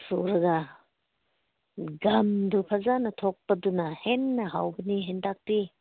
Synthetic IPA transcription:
suɾɐɡɐ | ɡɐmdupʰɐzanɐtʰok̚pɐdunɐhenːɐɦawbɐniɦendak̚ti

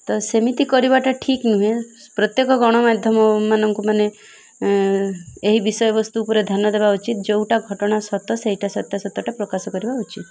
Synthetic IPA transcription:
t̪ɔsemit̪ikɔɾibaʈaʈʰiknuɦẽ | pɾɔt̪jekɔɡɔɽ̃ɔmad̪ʱjɔmɔmanɔŋkumane | eɦibisɔjɔbɔst̪uːpɔɾed̪ʱanːɔd̪ebaut͡ʃit̪d͡ʒewʈaɡʱɔʈɔɽ̃asɔt̪ɔseɦiʈasɔt̪jasɔt̪ːɔʈapɾɔkasɔkɔɾibaut͡ʃit̪

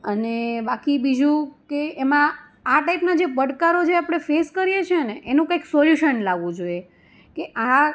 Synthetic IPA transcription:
ənebakibid͡ʒũkeːmã | aʈaipnad͡ʒebəɽkaɾot͡ʃʰeapɽ̃efeskəɾijet͡ʃʰeneʔenũkaiksoljuʃənlaʋũd͡ʒoie | keʔa

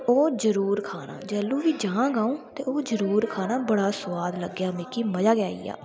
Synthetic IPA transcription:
oːd͡ʒəɾuːɾkʰaːna̰ːd͡ʒɛːlũːʋiːd͡ʒãːãːɡãːõːt̪eːoːd͡ʒəɾuːɾkʰaːnaːbəɽaːsʊʋaːd̪ləɡːjaːmɪkiːməd͡ʒaːɡjaːḭːa̰ː

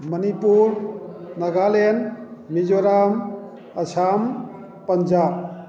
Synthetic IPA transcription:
mənipuɾnɐɡalenmid͡ʒoɾam | ɐsʰam | pɐɲd͡ʒaːb̚

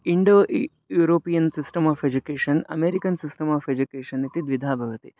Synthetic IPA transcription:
iɳɖoːʔ | juːɾoːpijɐnsisʈɐmaːfed͡ʒukeːʂɐnɐ̰meːɾikɐnsisʈɐmaːfed͡ʒukeːʂɐnit̪id̪ʋid̪ʱaːbʱɐʋɐt̪i

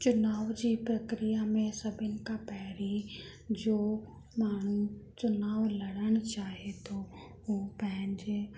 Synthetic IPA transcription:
t͡ɕʊnaːʋd͡ʑiːpɾɐkɾijamẽsɐbʱɪnɪ̆kapɛɦɾi | d͡ʑoː | maːɳ̤ut͡ɕʊnaːʋlɐɽəɽ̃ʊt͡ɕaːɦet̪ʰo | ɦupɐ̃ɦɪ̃ɲd͡ʑe

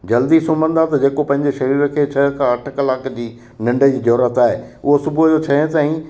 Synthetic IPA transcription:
d͡ʑɐld̪isʊ̃mbə̃nd̪at̪ɐd͡ʑeːkopɐ̃ɦɪ̃ɲd͡ʑeʃɐɾiːɾəkʰeːt͡ɕʰɐɦkʰãɐʈʰkɐlaːkd͡ʑiː | nɐ̃ɳɖəd͡ʑiːd͡ʑɔːɾət̪aːɦeʊɦosʊbʊd͡ʑot͡ɕʰɐɦt̪aːĩ

